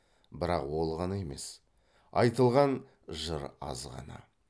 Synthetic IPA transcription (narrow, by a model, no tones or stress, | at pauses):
bɪɾɑqwo̞lˠʁɑnɑe̞me̞̰s | ɑjt̪əlˠʁɑn | ʒəɾɑ̰zʁɑ̰nɑ̰